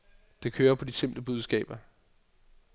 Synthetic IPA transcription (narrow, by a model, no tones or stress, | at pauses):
d̥e̝kʰøːɐpʰɒ̽d̥ise̝m̰bd̥əb̥uð̞ˠsɡ̥ɛ̰ːb̥ɐ